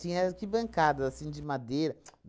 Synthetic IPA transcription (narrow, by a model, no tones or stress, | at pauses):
ĩɛkɪbɐ̃ŋkad̪ɐasĩd͡ʒɪmad̪ejɾɐ